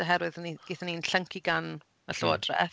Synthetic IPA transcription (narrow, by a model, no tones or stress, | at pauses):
əɦɛɾwɨðəniɡ̥eːθəninɬəŋkʰiɡan | əɬoːdrɛ̰